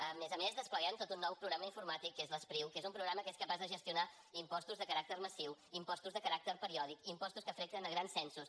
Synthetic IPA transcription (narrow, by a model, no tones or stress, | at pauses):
əmezəmezðəspləɣɛmt̪ot̪unːɔwpɾuɣɾaməiɱfuɾmat̪ikːezləspɾiwkezumpɾuɣɾaməkeskəpazðəʒəst̪iuna | impɔst̪uzðəkəɾak̚t̪əɾməsiwimpɔst̪uzðəkəɾak̚t̪əɾpəɾiɔð̞ikimpɔst̪uskəfɾɛk̚t̪ənəɣɾansɛnsus